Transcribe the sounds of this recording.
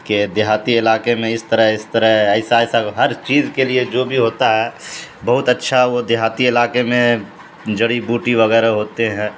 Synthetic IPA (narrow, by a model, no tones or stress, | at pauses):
ked̪ɪɦaːt̪iɪlaːkemẽɪst̪əɾəɦɪst̪əɾəɦɛːsaɛːsaɦɐɾt͡ʃiːzkelied͡ʒoːbʱiɦoːt̪aɦɛːbɐɦʊt̪ɐtːʃʰaɦʋod̪ɪɦaːt̪iɪlaːkemẽ | d͡ʒɐɽibuːʈiʋɐɣɛːɾaɦoːt̪eɦɛ̃ː